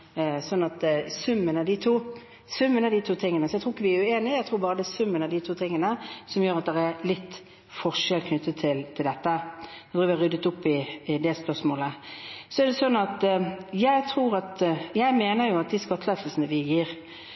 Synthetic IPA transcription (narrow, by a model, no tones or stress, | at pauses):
sɔnːɑt̪sʉmːənɑd̪ɪt̪ʰuː | sʉmːənæd̪it̪ʰuːt̪ʰɪŋːənəsɔjæɪt̪ɾuːɪkːəʋɪæɾʉeːnɪjæɪt̪ʰɾuːɾbɑːʁəd̪ɛsʉmːənɑd̪ɪt̪ʰuːt̪ʰɪŋːənəsɔmjøːɾɑt̪̚d̪ɛʁɛɾlɪt̪ː | fɔʁʂɛlkʰnʏt̪ʰːət̪ʰɪlt̪ʰɪld̪ɛt̪ːəɛt̪ʰɾuːʋɪɑʁɾʏd̪ət̪ʊpːɪɪd̪ɛspœʁsmoːləsɔɛɾd̪ɛsɔnːɑt̪jæɪt̪ʰʁuːɾɑt̪jæɪmeːnəɾjʊɑt̪̚d̪ɪskɑt̪ːəlɛːsəlsənəʋɪjiːɾ